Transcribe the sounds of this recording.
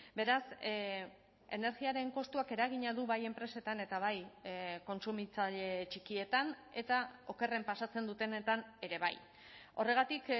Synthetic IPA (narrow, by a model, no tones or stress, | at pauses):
be̞ɾas | e̞ne̞ɾɣiaɾe̞ŋko̞st̪uake̞ɾaɣ̞iɲaðuβaje̞mpɾe̞se̞t̪ane̞t̪aβajko̞nsumit͡saʎe̞t͡ʃikie̞t̪an | e̞t̪ao̞ke̞re̞mpasat͡se̞nd̪ut̪enet̪ane̞ɾe̞βa̰j | o̞̰re̞ɣ̞at̪ik